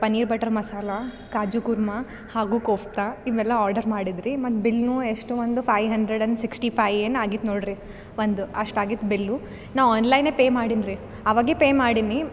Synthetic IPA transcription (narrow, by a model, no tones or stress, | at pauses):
pɐniːɾbɐʈɐɾmɐsaːlɐ | kaːd͡ʒukuɾmɐ | haːɡuːkoːft̪ɐiʋɛlːɐaːɾɖɐɾmaːɽid̪ɾimɐt̪ːbilnueʂʈuʋond̪upʰɐjʋɦɐɳdɾeɖɐɳsiksʈipʰɐjʋenaːɡit̪noːɽɾi | ʋond̪uɐʂʈaːɡit̪ːbilːu | naːʋaːnlɐjnepeːmaːɽinɾi | ɐʋaːɡepeːmaːɽini